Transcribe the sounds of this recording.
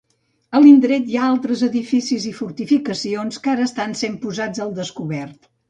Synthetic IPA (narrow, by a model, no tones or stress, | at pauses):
əlind̪ɾɛt̪jaalˠt̪ɾəzəðifisizifuɾt̪ifikəsionskaɾəːst̪ansempuzad͡zəlˠd̪əskuβɛrt̪